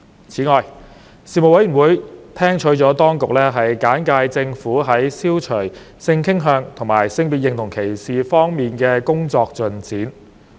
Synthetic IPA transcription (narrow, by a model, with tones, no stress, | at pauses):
t͡sʰiː˨˥ŋɔː˨˧j | siː˨m˨wɐ˨˥jy˨˩nwuː˨˧˥jt̪ʰɛː˥ŋt͡ʃʰɵ˨˥ɥt͡sɔː˨˥t̪ɔː˥ŋkʊ˨k̚lɛː˥ɦɐ˨jkaː˨˥nkaː˧jt͡sɪ˧ŋfuː˨˥ɦɐ˨˥jsiː˥wt͡ʃʰɵ˨˩ɥ | sɪ˧ŋkʰɪ˥ŋɦœː˧ŋt̪ʰʊ˨˩ŋmaː˨˩jsɪ˧ŋpi˨t̚jɪ˨˩ŋt̪ʰʊ˨˩ŋkʰe˨˩jsiː˨fɔː˥ŋmiː˨nkɛː˧kʊ˥ŋt͡sɔː˧k̚t͡sɵ˨nt͡siː˨˥n